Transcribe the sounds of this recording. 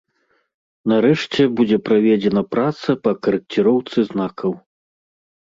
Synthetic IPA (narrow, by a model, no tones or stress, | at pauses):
naɾɛʂt͡sʲɛbud͡zʲɛpɾavʲɛd͡zʲɛnɐpɾat̪sɐpɐkɐɾɨk̚t͡sʲiɾɔwt̪sɨznakʰɐw